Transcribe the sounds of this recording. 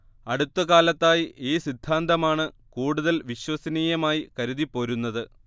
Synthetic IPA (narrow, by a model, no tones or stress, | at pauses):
ɐɽut̪ːɐkaːlɐt̪ːaːjiʔeːsid̪ʱːaːnd̪ʱɐmaːɳɨkuːɽuðɐlʋiɕwɐsɐniːjɐmaːjikɐɾuðipːo̞ːɾunːɐðɨ